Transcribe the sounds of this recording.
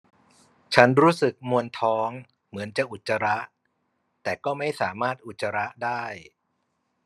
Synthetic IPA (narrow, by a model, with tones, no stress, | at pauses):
t͡ɕʰa˦˥nɾuː˦˥sɯ˨˩k̚mu˧ənt̪ʰɔː˦˥ŋ | mɯ˩˦ənt͡ɕa˨˩ʔu˨˩t̪̚t͡ɕːa˧ɾa˦˥ʔ | t̪ɛː˨˩kɔː˥˩ma˥˩jsaː˩˦maː˥˩t̪̚ʔu˨˩t̪̚t͡ɕːa˧ɾa˦˥ʔdaː˥˩j